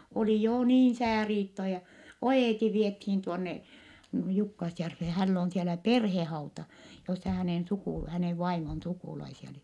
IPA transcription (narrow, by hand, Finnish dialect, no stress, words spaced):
oli joː niːn̞ sæːriːtːo jɑ oeˑti ʋiethiːn tuonːe jukːɑsjærfːeː hælː oːn̞ sielæ perhehɑutɑ josːɑ hæneˑn sukuˑ hæneˑʋ ʋɑimon sukuˑlɑisiɑ oli